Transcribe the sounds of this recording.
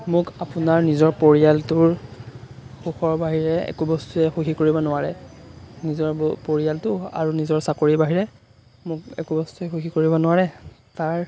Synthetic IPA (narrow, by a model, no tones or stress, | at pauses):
mʊkapʊnaɹnizɔɹpoɹijaltʊɹ | xuxɔɹbaɦiɹɛɛ̰kubɔstuɛxuxikoɹibɔnʊwaɹɛ | nizɔɹbpoɹijaltʊa̰ɹunizɔɹsakoɹibaɦiɹɛ | mʊkɛ̰kubɔstuɛxuxikoɹibɔnʊwaɹɛ | taɹ